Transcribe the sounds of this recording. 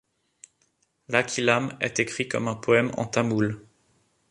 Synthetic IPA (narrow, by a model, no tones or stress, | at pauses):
lakʰʲilamɛ̰t̪ekχikɔ̰mɛ̃pɔɛmɑ̰̃t̪ãmul